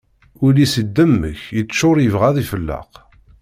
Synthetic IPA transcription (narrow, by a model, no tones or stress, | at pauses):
ʊlisəd̪ːəmːə̰çjət͡sːʃʊɾˤjəvʁæðifəlːɑ̰q